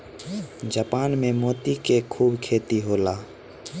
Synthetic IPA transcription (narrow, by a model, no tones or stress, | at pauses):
d͡ʒaːpaːnmẽːmoːt̪iːkeːkʰuːbkʰeːt̪iːɦoːlaː